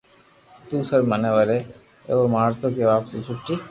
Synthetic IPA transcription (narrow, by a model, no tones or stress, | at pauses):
t̪uːsəɾməneʋɐɾe | ḛʋomaːɾt̪okeʋaːpsit͡ʃʰʊʈːi